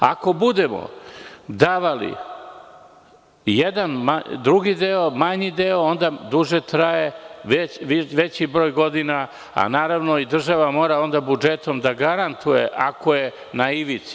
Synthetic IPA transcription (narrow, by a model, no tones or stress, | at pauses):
a̰ko̞bud̪emo̰d̪aʋalḭ | jed̪anmad̪ɾuɡid̪eo̞maɲid̪eoond̪ad̪uʒet̪ɾajeʋeʋʋet͡ɕibɾoːjɡo̞d̪ina | a̰naːɾaʋno̞id̪r̩ʒaʋamo̞ːɾao̞nd̪abud͡ʒet̪omd̪aɡaɾant̪ujḛʔakoje̞ | naiʋit̪si̥